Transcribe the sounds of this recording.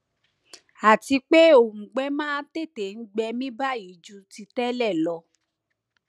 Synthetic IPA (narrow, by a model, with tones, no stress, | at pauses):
a˨ti˧k͡pe˦o˨m̩̃˨ɡ͡bɛ˨˦mãː˦te˦˨te˨n̩˦ɡ͡bɛ˧mĩ˦ba˦i˨d͡ʒu˨˧ti˧tɛ˦lɛ˦˨lɔ˧˦